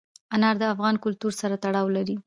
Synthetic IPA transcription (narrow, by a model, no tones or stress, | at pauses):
anɑɾd̪əafɣɑnkʊlt̪uɾsaɾat̪aɽɑwlaɾi